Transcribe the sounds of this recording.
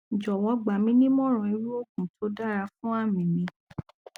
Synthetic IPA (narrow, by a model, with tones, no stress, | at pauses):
d͡ʒɔ˨wɔ˧˦ɡ͡ba˨mĩ˦nĩ˦mɔ̃˦ɾ̃ũ˧˨e˧ɾu˦o˦˨k̚ũ˨tʰo˨˦da˦˨ɾa˧fũ˦a˦˨mĩ˨mĩ˨˧˦